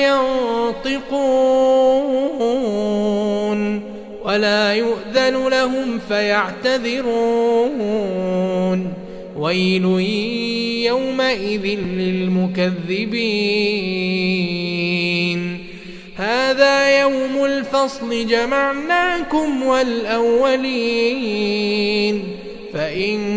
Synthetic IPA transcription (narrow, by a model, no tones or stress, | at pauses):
jɑnt̪ˤɪquː | n | walaːjʊʔðalʊlaɦʊmfajaʕt̪aðɪɾuː | n | wajlu | jawmaʔɪðɪnlɪlmʊkaðːɪbiː | n | haːðaːjawmʊlfɑsˤlɪd͡ʒamaʕnaːkʊmwalʔawːali | n | faʔɪn